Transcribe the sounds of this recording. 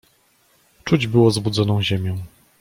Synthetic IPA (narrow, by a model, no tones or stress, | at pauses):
t͡ʂud͡ʑbɘwɔzbud̪zɔnɔ̃w̃ʑemʲjɔ̃